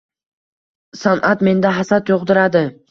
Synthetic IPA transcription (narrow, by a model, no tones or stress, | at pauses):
sanʔat̪me̞nd̪aɦasat̪joʁd̪ɪɾad̪ɪ